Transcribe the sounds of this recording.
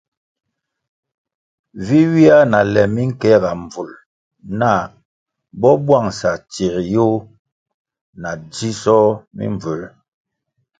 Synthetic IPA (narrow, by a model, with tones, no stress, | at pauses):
vi˦wi˦a˦na˨lɛ˨mi˦ŋ̩˦kɛ˦˨ɡa˨ɱ˨b͡vu˨l | na˦˨ | bɔ˦bwa˦˨ŋsa˨t͡ʃi˨ɾjo˦ | na˨d͡ʒi˦sɔ˦mḭ˦ɱvə˨˦l